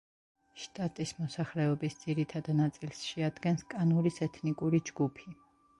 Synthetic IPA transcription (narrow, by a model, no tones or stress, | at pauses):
ʃt̪ʼat̪ʼismɔsaχlɛɔbisd̪ziɾit̪ʰad̪nat̪sʼilˠsʃɛad̪ɡɛnskʼanuɾisɛt̪ʰnikʼuɾid͡ʒɡupʰi